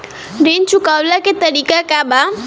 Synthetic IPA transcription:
ɾint͡ʃukalakit̪adikakaba

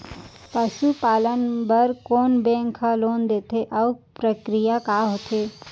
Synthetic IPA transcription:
pəʃupaːlənbəɾkoːnbẽŋkʰãloːnd̪eːt̪ʰeʔɐʊpɾəkɾijakaɦot̪ʰeː

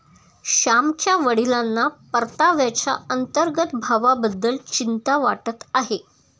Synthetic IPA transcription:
ɕamt͡ɕjaʋəɽilanːapəɾt̪aʋjat͡ɕa̰ənt̪əɾɡət̪bʱaʋabəd̪ːəlt͡ɕint̪aʋaʈət̪aɦe

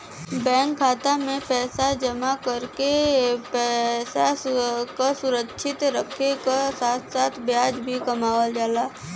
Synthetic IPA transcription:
bɛ̃ːŋkʰːaːt̪amẽpɛːsad͡ʒəmakəɾkepɛsakasʊɾəkʃɪt̪ɾəkʰekasaːt̪ʰsaːt̪ʰbjaːd͡ʒbʱikɐmaːwəld͡ʒaːlaː

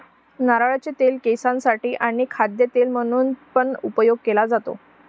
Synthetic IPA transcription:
naɾaɭat͡ɕet̪elkejsãnsaʈiːʔaɽ̃ikʰad̪jət̪elm̤əɽ̃uːnpəɳupəjoɡ̚kelad͡zat̪o̰

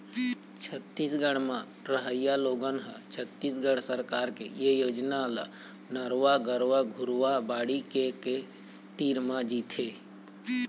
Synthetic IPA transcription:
t͡ʃʰət̪ːiːsɡəɽ̃mã | ɾəɦəjjaloːɡənɦə̃t͡ʃʰət̪ːiːsɡəɽsəɾkaːɾkḛjejoːd͡ʒnala̰ | nəɾʋaɡəɾʋaɡʱʊɾʋabaːɽikeke | t̪iːɾmãd͡ʒiːt̪ʰeː

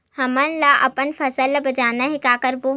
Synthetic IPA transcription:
hɐmənlaʔɐ̰pənfʰɐsəlːabɐd͡ʒaːnaɦekaːkəɾbo

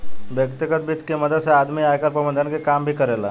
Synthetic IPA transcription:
ʋjəkt̪ikət̪̚bʱiːt̪kiməd̪ʱəsead̪miːajkəɾpɾəbənd̪ʱənkekambʱiːkəɾela

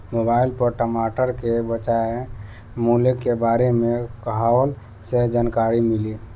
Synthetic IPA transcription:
mobaːɪlpəɾʈəmaːʈəɾkebət͡ʃae | mulekːebaːɾemẽkɦal | sed͡ʒaːnkaːɾimɪli

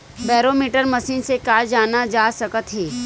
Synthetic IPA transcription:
bɛːɾomiːʈəɾməsiːnsekaːd͡ʒaːnad͡ʒaːsɐkət̪ɦɛː

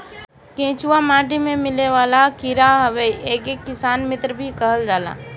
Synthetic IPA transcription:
kẽːt͡ʃuamãːʈimẽmɪleʋaːlakiɾaɦəʋeʔeːkekːɪsaːnmɪt̪ɾəbʱikəɦəld͡ʒaːla̰ː

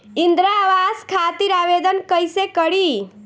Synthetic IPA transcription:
ɪnd̪ɾaʋaskʰat̪iɾaʋed̪ənkəjsekəɽi

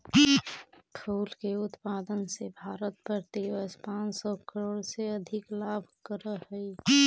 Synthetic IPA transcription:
ʈʰoːlkeʊt̪paːd̪ənsebʱaːɾət̪̚pəɾt̪eʋəspãːnsɔkəɾoːɽseəd̪ʱɪklaːbʱkəɾəɦəi

